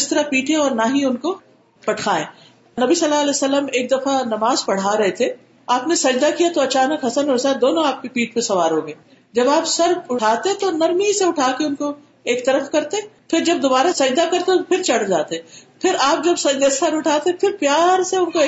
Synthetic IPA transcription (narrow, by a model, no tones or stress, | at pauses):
ɪst̪ɐɾapiːʈʰẽɔːɾnaɦiʊnko | pɐʈʰaːḛ̃ː | nɐbisɐlːaːɐlɛːsɐlːəmeːk̚d̪ɐfanɐmaːzpɐɽ̤aɾɐɦet̪ʰe | aːpnesɐd͡ʒd̪akijat̪oɐt͡ʃaːnəkɦɐsənɦɔɾsad̪oːnõaːp̚kipiːʈ̚ʰpẽsɐʋaːɾɦoːɡẽː | d͡ʒɐbaːpsɐɾʊʈʰaːt̪eẽt̪onɐɾmiseʊʈʰaːkeʊnko | eːkt̪ɐɾəfkɐɾt̪ẽ | pʰɪɾd͡ʒɐb̚d̪obaːɾasɐd͡ʒd̪akɐɾt̪et̪opʰɪɾt͡ʃɐɽd͡ʒaːt̪eẽ | pʰɪɾaːp̚d͡ʒɐbsɐd͡ʒd̪esɐɾʊʈʰaːt̪ẽpʰɪɾpjaːɾseʊnkoː